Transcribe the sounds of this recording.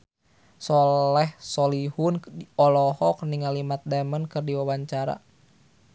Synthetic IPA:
sɔlɛhsɔlihunɔlɔhɔk̚niŋalimat̪̚damənkɨrdiwawaɲt͡ʃaɾa̰

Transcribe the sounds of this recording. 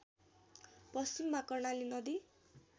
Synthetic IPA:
pʌst͡ʃimːakʌrnalinʌd̪i

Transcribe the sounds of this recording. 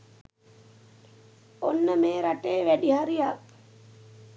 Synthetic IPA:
onːəmeːɾaʈeːʋæɖihaɾijak̚

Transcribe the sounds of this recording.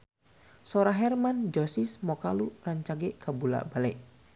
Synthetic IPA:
soɾaɦɛrmand͡ʒɔsismɔkaluraɲt͡ʃaɡɛʔkabula̰balɛʔ

